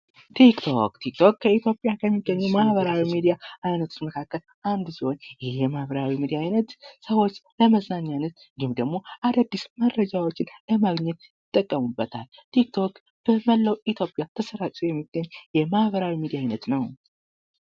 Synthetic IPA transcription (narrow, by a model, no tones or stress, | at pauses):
t̪ʰikt̪ʰo̰kt̪ʰik̚t̪ʰo̞kkʰːəit̪jo̞pʼjakʰəmːiɡːəɲːumahβəɾawimid̪ijaʔajnət̪ʰot͡ʃməkʰakːəl | and̪siho̞njhjɛmahβəɾawimid̪ijaːjnət̪səwo̞t͡ʃːləməznaɲːanət̪ | ɡɨmd̪əɡmo̞ʔad̪ad̪ːisməɾəd͡ʒawot͡ʃːɪnləmaɡɲːɛt̪jɪt̪ʼːəkʼːəmubːət̪ʰa̰l | t̪ʰikt̪ʰo̞k | b̥əməlːəwit̪ʰjo̞pʼjat̪ʰəsəɾat͡ʃʼujɛmːiɡəɲːjɛmahβəɾawimid̪ijaːjnət̪nəw